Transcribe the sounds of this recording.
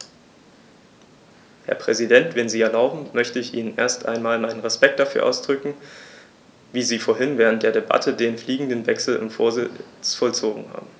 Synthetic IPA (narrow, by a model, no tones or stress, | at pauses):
hɛ̰ɐpʁ̥ɛzidɛntv̥ɛnziːɛɐlaʊbm̩mœçtəɪçʔiːnənʔeːɐstʔa̰ɪnmaːlmaɪnənʁɛspɛk̚td̥afyːɐʔa̰ʊsd̥ʁʏkŋ̩ | viːziːfoːɐɦɪnvɛːʁ̞ənt̚d̥eːɐdeba̰tʰədeːnfliːɡŋ̩dənvɛksl̩ɪ̰nfo̰ːɐzɪ̰t͡sfɔlt͡soːɡŋ̩ha̰ːbm̩